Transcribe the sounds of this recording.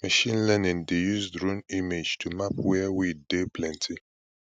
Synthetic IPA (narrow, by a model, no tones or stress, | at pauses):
maʃĩnlɛnɪ̃ndejuzdɹũnimed͡ʒtʰumapwɛwidepʰlɛ̃ntʰi